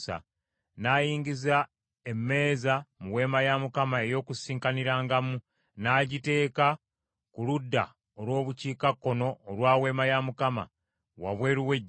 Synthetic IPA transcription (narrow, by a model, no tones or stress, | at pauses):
sa̰ | naːjiːŋɡiza | emːe̞ːzamuwe̞ːmajamukamae̞jo̞ːkusiːŋkaniɾaːŋɡamu | naːɟite̞ːka | kuludːa̰ | olwo̞ːβuciːkakːo̞no̞ːlwaːwe̞ːmajamukama̰ | wa̰βwe̞ːɾuwe̞ɟː